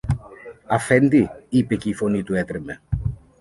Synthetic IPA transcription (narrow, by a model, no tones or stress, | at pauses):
ɐfend̪iipe̞ceifo̞nit̪uet̪ɾeme̞